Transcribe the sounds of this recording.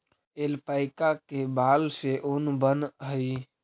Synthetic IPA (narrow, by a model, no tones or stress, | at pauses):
elpaɪkakebaːlseʔʊnbənɦəi